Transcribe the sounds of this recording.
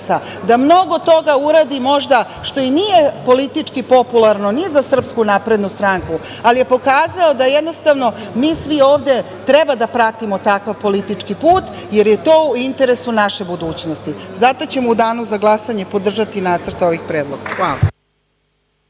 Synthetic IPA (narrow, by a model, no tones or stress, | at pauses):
sa | d̪amno̞ɡo̞t̪o̞ɡauɾaːd̪imo̞ʒd̪a | ʃt̪o̞inije̞po̞lit̪it͡ʂkipo̞pulˠaɾno̞nizasr̩pskunaːpɾe̞d̪nust̪ɾaŋku | alije̞po̞kaːzaod̪ajed̪no̞st̪aʋno̞ | miːsʋioːʋd̪e̞ | t̪ɾebad̪apɾat̪imot̪akaʋpo̞lit̪it͡ʂkipuːt̪ | jeɾjet̪oːuint̪eɾesunaʃe̞bud̪uːt͡ɕno̞st̪izat̪o̞t͡ɕe̞moud̪aːnuzaɡlˠasaɲe̞po̞d̪r̩ʒat̪inaːt̪srt̪o̞ʋixpɾeːd̪lˠoɡaxʋa̰ːla̰